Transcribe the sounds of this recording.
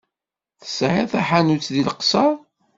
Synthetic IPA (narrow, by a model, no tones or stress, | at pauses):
θə̥sʕeθæħanut͡sðilqsɑɾˤ